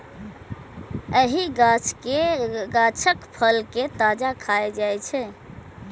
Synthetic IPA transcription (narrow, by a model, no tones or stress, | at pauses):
əɦiɡat͡ʃʰkeɡat͡ʃʰəkpʰəlket̪ad͡ʒakʰaed͡ʒajt͡ʃʰɛ